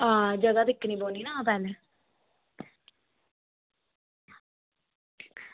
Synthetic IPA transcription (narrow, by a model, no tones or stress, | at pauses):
ɦãːd͡ʒəɡaːd̪ɪkːniːboːniːnaːpɛːlɛː